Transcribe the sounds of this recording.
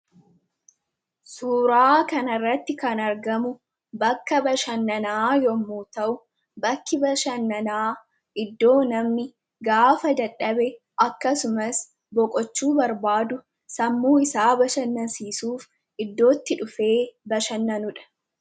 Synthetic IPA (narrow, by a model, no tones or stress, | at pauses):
suːɾaːkɐnɐrːɐt̪ːɪkɐnɐɾɡɐmʊ | bɐkːɐbɐʃɐnːɐnaːjɔmːuːt̪ɐʔʊ | bɐkːɪbɐʃɐnːɐnaː | ʔɪd̪ːo̞ːnɐmnɪ | ɡaːfɐd̪ɐᶑɐbɛ | ʔɐkːɐsʊmɐs | bɔkʼɔt͡ʃːuːbɐɾbaːd̪ʊ | sɐmːuːɪsaːbɐʃɐnːɐsiːsuːf | ʔɪd̪ːo̞ːt̪ːɪᶑʊfe̞ːbɐʃɐnːɐnʊᶑɐ̥